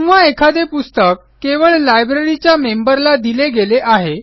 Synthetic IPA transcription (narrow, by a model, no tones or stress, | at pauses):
ũʋʋaekʰad̪epust̪əkːeʋəɭlajbɾeɾit͡ɕjamembəɾlad̪ileɡeleʔaɦe